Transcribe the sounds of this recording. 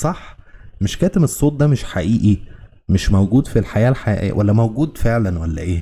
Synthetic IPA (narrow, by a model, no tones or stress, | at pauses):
sˤɑħmeʃkæːt̪emesˤːoːt̪̚ˤd̪æmeʃħaʔiːʔi | meʃmæwɡuːd̪filħajæːlħaʔwæ̰lːæmæwɡuːd̪feʕlænwælːæ̰ʔeː